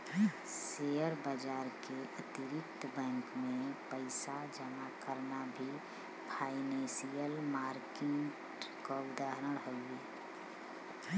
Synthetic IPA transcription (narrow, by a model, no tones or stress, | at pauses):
seːjəɾbad͡ʒaːɾkeʔət̪ɪɾɪkt̪ʰəbɛ̃ːŋkmẽpəɪsad͡ʒəmakəɾnabʱi | pʰaːɪnẽːsijəlmaːɾkɪŋʈ | kod̪aɦɾəɽɦoeː